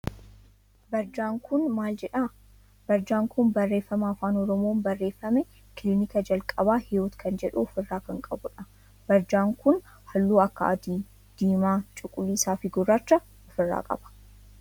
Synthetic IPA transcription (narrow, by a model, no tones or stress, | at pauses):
bɐɾd͡ʒaːŋkʰʊnmaːld͡ʒɛᶑa | bɐɾd͡ʒaːŋkʊnbɐrːe̞ːfːɐmɐːfaːnɔɾɔmo̞ːnbɐrːe̞ːfːɐmɛ | kɪliːnɪkɐd͡ʒɐlkʼɐbaːhɪoːt̪kʰɐnd͡ʒɛᶑuʊfɪrːaːkɐŋkʼɐbʊᶑɐ | b̥ɐɾd͡ʒaːŋkʊn | hɐlːuːɐkːɐ̰ɐd̪i | d̪̥iːmaːt͡ʃʼʊkʼʊlːiːsaːfɪɡʊrːaːt͡ʃːɐ | ʊfɪrːa̰ːkʼɐ̰bɐ̥